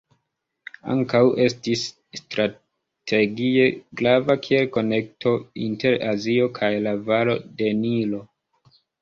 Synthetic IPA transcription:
a̰ŋkawʔe̞stisː | tɾa | tʰe̞ɡie̞ɡɾavakʰie̞lko̞ne̞k̚tʰo̞inte̞ɾazio̞kʰajlavaɾo̞de̞nilo̞

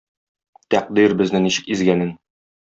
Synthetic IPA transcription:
t̪æq̚d̪iɾbɘ̆znɘniɕɘ̥̆kizɡænɘn

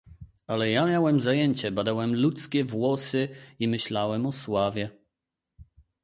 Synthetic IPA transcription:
alɛjamʲjawɛmzajɛɲt͡ɕɛbad̪awɛmlut̪skʲɛvwɔsɘimɘɕlawɛmɔswavʲjɛ

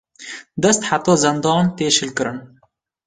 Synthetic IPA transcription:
d̪ɐst̪ħat̪ɑːzɨnd̪ɑːnt̪eːʃɨlkɨɾɨn

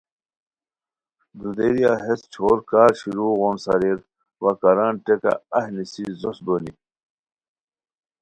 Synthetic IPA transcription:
d̪ud̪eɾijaɦest͡ɕʰoːɾkaːɾɕiɾuːɣonsɐ̰ɾiɾ | wɐkɐɾaːnʈeka̰ɐɦnisizosb̪oːni

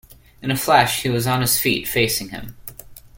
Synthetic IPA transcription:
ɨ̃nɨflæʃhiwʌzn̩ɨz̥fḭtfeɪsɪ̃ŋɨ̰̃m

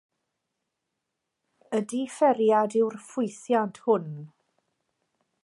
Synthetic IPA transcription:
ədifɛɾjadɪwrfʊjθjantʰhʊn

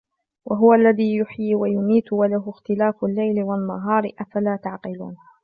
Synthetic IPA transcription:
wʔaɦʊwaʔlːaðiːjʊħjiːwajʊmiːt̪walaɦʊxt̪ɪlaːfʊlːajlɪwalnaɦɑːɾˤʔafalaːt̪aʕqɪlṵːn

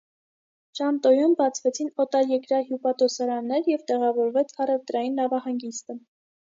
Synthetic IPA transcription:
t͡ʃɑnt̪ɔjumbɑt͡sʰvɛt͡sʰinɔt̪ɑɾjɛkɾɑɦjupɑt̪ɔsɑɾɑnːɛɾjɛvt̪ɛʁɑvɔɾvɛt͡sʰhɑɾɛvt̪ɾɑjinːɑvɑhɑŋɡist̪ə

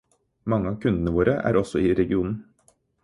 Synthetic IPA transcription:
mɑŋːəɑːʋkʰʉnd̪ənəʋoːɾəʔæ̰ːɾɔsɔiːɾɛɡɪuːnn̩

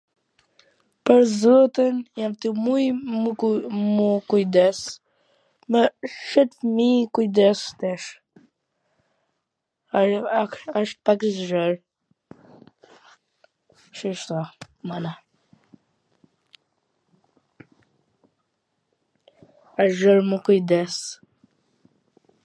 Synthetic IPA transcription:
pəɾzɔt̪ənjamt̪imuj | mukujd̪ɛs | mɛʃɛt̪fmikujd̪ɛst̪ɛʃ | aʃpakzʒəɾ | ʃiʃt̪ɔmana | aʒəɾməkujd̪ɛs

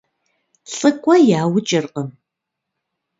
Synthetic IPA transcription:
ɬʼɨkʷʼɔjaːwʊt͡ʃʼɪrqəm

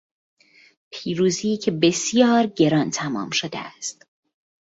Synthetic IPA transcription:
pʰiːɾuːziːcʰebe̞sjɒːɾɟe̞ɾɒnt̪ʰæmɒ̰ːmʃod̪ḛæ̰st̪

